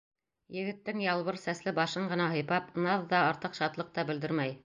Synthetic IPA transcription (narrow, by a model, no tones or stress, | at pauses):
jɘ̆ɡɘ̆t̪ːɘŋjɑlˠβɤɾsæslɘbɑʃɤɴʁɤ̆nɑɦɤ̆jpɑpnɑðːɑɑɾt̪ɤqʃɑt̪lˠɤq̚t̪ɑbɘ̆ld̪ɘɾmæj